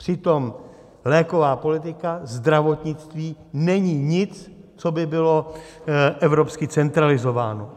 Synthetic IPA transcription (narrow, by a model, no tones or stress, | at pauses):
pr̥ɪt̪o̞m | lɛːko̞vaːpo̞lɪt̪̬ɪkazd̪ɾavo̞t̪ɲɪt͡st̪viːnɛɲiːɲɪt͡st͡so̞bɪbɪlo | ʔɛvɾo̞pskɪt͡sɛnt̪ɾalɪzo̞vaːno̞